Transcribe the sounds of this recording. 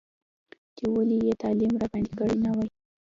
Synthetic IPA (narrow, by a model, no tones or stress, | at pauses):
d̪̥əwəlijet̪ɑlimɾɑband̪ikəɽinawaj